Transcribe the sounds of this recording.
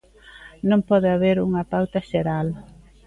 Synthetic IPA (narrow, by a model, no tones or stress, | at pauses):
nõmpɔðɪaβeɾuŋɐpawt̪ɐʃeɾal